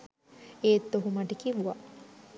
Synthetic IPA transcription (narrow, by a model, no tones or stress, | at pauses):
eːt̪ːoɦumaʈikiʋuʋa